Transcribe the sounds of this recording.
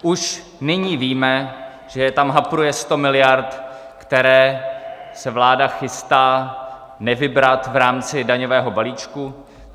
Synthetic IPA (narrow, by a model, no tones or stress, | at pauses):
ʔuʃ | nɪɲiːviːmɛ | ʒ̥ɛjɛt̪amɦapɾujɛst̪o̞mɪlɪjaɾt̪ | kt̪ɛɾɛː | sɛvlaːdaxɪst̪aː | nɛvɪbɾat̪vɾaːmt͡sɪdaɲovɛːɦo̞baliːt͡ʃku